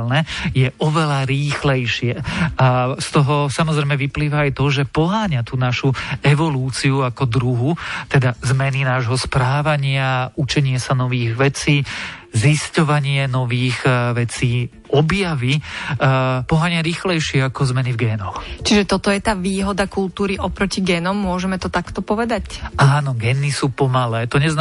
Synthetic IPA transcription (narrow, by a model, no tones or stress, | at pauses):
lnɛjɛɔʋɛlaɾiːxlɛjʃɪɛast̪ɔɦɔsamɔzɾɛjmɛʋipliːʋaːjt̪ɔʒɛpɔɦaːɲat̪uːnaʃuɛʋɔluːt͡siuakɔd̪ɾuɦut̪ɛd̪azmɛninaːʒɦɔspɾaːʋaɲɪaut͡ʃɛɲɪɛsanɔʋiːɣʋɛt͡siːziscɔʋaɲɪɛnɔʋiːɣʋɛt͡siː | ɔbjaʋi | pɔɦaːɲɪaɾiːxlɛjʃɪɛakɔzmɛnivɡɛːnɔxt͡ʃiʒɛt̪ɔt̪ɔjɛt̪aːʋiːɦɔd̪akulˠt̪uːɾiʔɔpɾɔciɡɛːnɔmːʊɔʒɛmɛt̪ɔt̪akt̪ɔpɔʋɛd̪acaːnɔɡɛːnːisuːpɔmalɛːt̪ɔɲɛzn